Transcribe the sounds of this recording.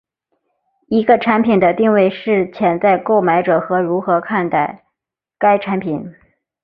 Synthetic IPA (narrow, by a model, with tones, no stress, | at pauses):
i˧˥ɡə˧ʈ͡ʂʰa˧˥npʰi˨˩nd̪ə˦t̪i˥˧ŋwe˥˧ɪʂɻ̩˥˩t͡ɕʰjɛ˧˥nt͡sa˥˧ɪko˥˩ʊma˧˥ɪʈ͡ʂɤ˨˩xɤ˧˥ɻu˧˥xɤ˧˥kʰa˥˧nt̪a˥˩ɪ | ka˥ɪʈ͡ʂʰa˧˥npʰi˨˩˦n